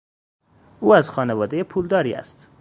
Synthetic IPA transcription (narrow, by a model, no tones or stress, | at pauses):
uːæzxɒːnevɒːd̪ejepʰuːld̪ɒːɾḭːæ̰st̪